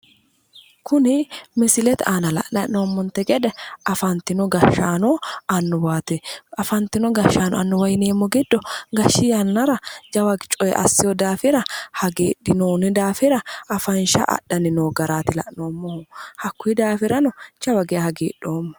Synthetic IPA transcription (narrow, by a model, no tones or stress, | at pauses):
kʊnɪmɪsɪlɛt̪aːnɐlɐ̰ʔnɐʔnoːmːɔnt̪ːɛɡɛᶑ̪ɛɐfɐnt̪ɪnɔɡɐʃːaːnɔɐnːɔwaːt̪ɛɐfɐnt̪ɪnɔɡɐʃːaːnɔ̰ɐnːɔwɐjneːmːɔɡɪd̪ːɔɡɐʃːɪjɐnːɐɾɐd͡ʒɐwɐɡt͡ʃʼɔjɛ̰ʔɐ̰sːɪjɔd̪aːfɪɾɐhɐɡeːɗːɪnoːnɪd̪aːfɪɾɐɐfɐnʃɐ̰ʔɐ̰ɗɐnɪnoːɡɐɾaːt̪ɪlɐ̰ʔno̞ːmːɔhɐkːʊɪd̪aːfɪɾɐnɔt͡ʃɐwɐɡɛɐhɐɡḛːɗːoːmːɐ